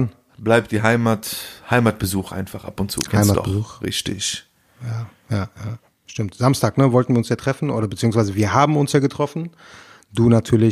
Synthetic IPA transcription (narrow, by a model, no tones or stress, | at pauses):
n | blaɪp̚t̚d̥iːɦaɪmathaɪmat̚b̥əzuːχʔa̰ɪnfaχʔa̰pʊntt͡sṵːkʰɛhaɪmatɔ̰b̥əzuːxʁɪ̰çtɪ̰ç | jaː | jaːjaː | ʃtɪmtz̥amstaːknəvɔltn̩viɐʊnsjaːtʁ̥ɛfn̩ʔoːɾɐbət͡siːʊŋsvaɪzəviːɐɦaːbm̩ʊnsjaːɡətʁ̥ɔfn̩ | duːnatʰyːɐlɪ